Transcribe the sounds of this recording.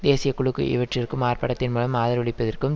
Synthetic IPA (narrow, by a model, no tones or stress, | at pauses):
d̪eːsɪjɐkʊɭɯkːɯ̰ʔɪ̰ʋɐʈrɪɾkɯmaːrpɐɽɐt̪ːɪnmuːlɐmaːðɐɾʋɐɭɪpːɐðɐrkɯm